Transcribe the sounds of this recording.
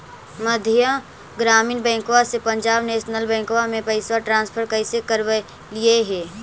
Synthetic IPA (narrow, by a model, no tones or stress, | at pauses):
məd̪ʱjə | ɡɾaːmiːnbɛ̃ːŋkoasepə̃ɲd͡ʒaːbneːʃnəlbɛ̃ːŋkowamẽpəɪswaʈɾãːnspʰəɾkəɪsekəɾwe | lieɦɛː